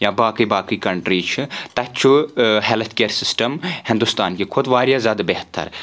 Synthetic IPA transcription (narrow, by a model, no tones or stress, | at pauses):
jãːbaːkiːbaːkiːkɐɳʈɾiːt͡ʃʰt̪ɐt͡ʃʰuɦeːlt̪ʰkeːɾsɪsʈəmhɪ̃nd̪ʊst̪aːnkikʰʊd̪ʋaːɾjaːzʲaːd̪abeɦt̪ʰːɐ̰ɾ